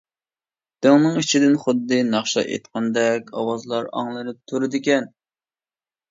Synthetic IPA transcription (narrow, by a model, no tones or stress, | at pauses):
d̪̥eŋnɨŋit͡ʃʰid̪ɪnχʊd̪ːɨnɑχʃɑ̰ʔḛt̪qʰɑnd̪ɛkʲɑwɑzlˠɑɾɑ̰ŋlˠɨɾɨp̚t̪ʰuɾɨd̪ɪkʲɛn